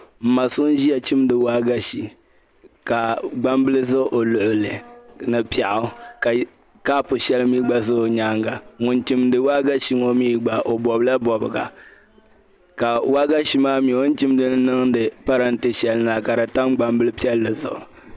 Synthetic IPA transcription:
m̩˨ma˨sʊ˦n˦ʒi˦ja˨t͡ʃi˦m˦dɨ˨waː˦ɡa˦ʃi˨ | ka˨ɡ͡ba˦mbɨ˦lɨ˦zʊ˦ʔo˨lʊ˨ʔʊ˨lɨ˨nɨ˨pi˨a˨ʔʊ˨˦˨ | ka˦pʊ˨ʃɛ˦lmiː˦ɡ͡ba˦zʊ˦ʊ˨ɲaː˦ŋɡa˨ŋʊ˨nt͡ʃi˦mdɨ˨waː˦ɡa˦ʃi˦ŋɔ˦miː˦ɡ͡ba˨ʔo˨bɔ˨bɨ˦la˦bɔ˨bɨ˨ɡa̰˨ | ka˨wa˦ɡa˦ʃi˦maː˦mi˨o˦n̩˦t͡ʃi˦m˦dɨ˦n˦nɨ˦ŋdɨ˨pa˦ɾa˦n̩˦te˦ʃɛ˨lɨ˦na˨ka˨ɾa˨ta˦mɡ͡ba˨mbɨ˦lɨ˦pi˦ɛ˦lːɨ˨zʊ̰˨ʔʊ˨

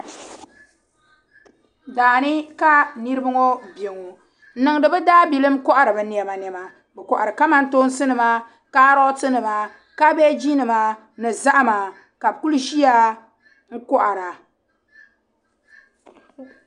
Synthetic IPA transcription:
daː˨nɨ˦ka˦ni˦ɾɨ˦bɨ˦ŋo˦be˨ŋo˨ | n̩˦nɨ˨ŋ˨dɨ˨bɛ˦daː˦bi˨lɨ˦mkɔ˦ʔa˨ɾɨ˨bɨ˨ni˨ɛ˨ma˨n˨ɛ˨ma˨ | bɛ˨kɔ˨ʔa˨ɾɨ˨ka˦ma˦n̩˦to˦n˦sɨ˦nɨ˨ma˦ | ka˦ɾɔ˦tɨ˦nɨ˨ma˨ | ka˦bɛ˦d͡ʒi˦nɨ˨ma˨ | nɨ˨za˦ʔa˦maː˨ | ka˨bku˦lu˦ʒi˦a˦ | ŋ̩˦kɔ˦ʔa˨ɾa˨

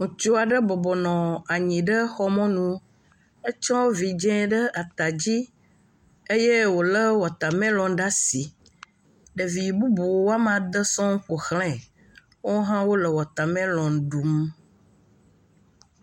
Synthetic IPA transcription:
ŋũ˨t͡ʃo˦a˨ɖə˦bɔ˨bɔ˨nɔ̃˨a˨ɲĩ˨ɖə˦xɔ˦mɔ̃˦nũ˦ | e˦t͡ʃɔ˦vi˨d͡ʒɛ̃˦ɖə˦ʔa˨t̪a˨d͡ʑi˦ | e˦je˦wo˨lə˦wɔ˨t̪a˨mɛ̃˦lɔ̃˨ɖa˦si˨ | ɖə˨vi˨bu˦bu˨wwo˦a˦m˦ã˨d̪ə˦sɔ̃˦ŋ̩˦ɸo˨xlɛ̃˨ | wo˦ɦã˦wo˦lə˨wɔ˨t̪a˨mɛ̃˦lɔ̃˨ŋ˨ɖu˨m

